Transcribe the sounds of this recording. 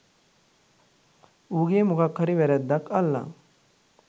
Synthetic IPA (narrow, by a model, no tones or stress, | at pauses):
uːɡeːmukakʰːəɾiʋɛɾɛd̪ːakɐlːa̰